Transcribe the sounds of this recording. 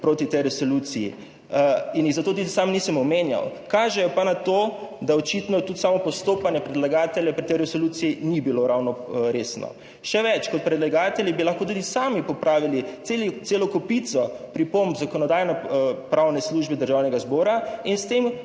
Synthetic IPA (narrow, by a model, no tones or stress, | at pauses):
pɾoːt̪it̪ɛjɾɛsolut̪sijḭ | injiɣzat̪oːt̪ud̪isamnisəmɔmenja̰wkaːʒɛjɔpanat̪oːd̪aɔt͡ʃit̪nɔt̪ut̪saːmɔpɔst̪oːpanjɛpɾɛd̪laɡaːt̪ɛljɛpɾit̪ɛjɾɛsoluːt̪sijinibiloɾawnɔɾesnɔ̰ | ʃɛʋɛt͡ʃkɔt̪̚pɾɛd̪laɡaːt̪ɛljibilaxkoːt̪̬ud̪isaːmipɔpɾaːʋiliet̪selɔkɔpit̪sɔpɾipombzakɔnɔd̪aːjnɛpɾawnɛsluːʒbɛd̪əɾʒawnɛɡazbɔːɾainst̪em